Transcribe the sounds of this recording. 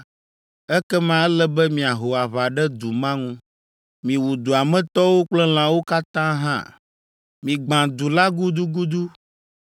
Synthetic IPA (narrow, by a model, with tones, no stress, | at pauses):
ɛ˦kɛ˦mã˦ɛ˦lɛ˦bɛ˦mĩ˨a˨ɦo˨a˨βa˨ɖɛ˦d̪u˨mã˦ŋũ˦ | mĩ˨wu˨d̪u˨a˨mɛ̃˦t̪ɔ˦wo˦k͡plɛ˦l̃ã˨wo˦ka˦t̪ã˦ɦã̰˦˨ | mĩ˨ɡ͡bã˨d̪u˨la˦ɡu˦d̪u˦ɡu˦d̪u˦